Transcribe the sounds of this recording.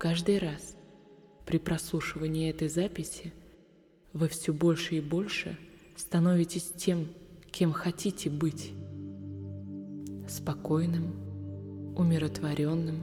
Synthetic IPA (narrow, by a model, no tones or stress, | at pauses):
kaʐd̪ɨjɾas | pɾʲɪpɾɐslˠuʂɨvənʲɪːɛt̪əjzapʲɪsʲɪ | vɨfsʲɵbo̞lʲʂɨɪbo̞lʲʂɨ̰ | st̪ɐno̞vʲɪtʲɪsʲtʲe̞mkʲe̞mxɐtʲitʲɪbɨtʲ | spɐko̞jnɨm | ʊmʲɪɾət̪vɐɾʲo̞nːɨm